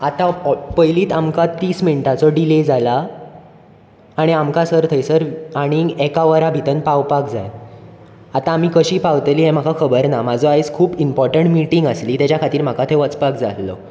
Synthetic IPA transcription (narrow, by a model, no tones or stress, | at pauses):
at̪apəjliːt̪amkat̪iːsminʈat͡sɔɖiled͡zala | ɽ̃iamkasəɾt̪ʰəjsəɾaɽ̃iɡekaʋəɾabʱit̪ənpawpakd͡za̰j | at̪ãːm̤iːkəɕiːpawt̪liːɦem̤akʰakʰəbəɾnamad͡zʱɔajt͡skʰuːpimpɔɾʈəɳʈmiʈiŋɡəsliːt̪jat͡ɕjakʰat̪iːɾm̤akat̪ʰeʋət͡spakd͡zalːɔ̰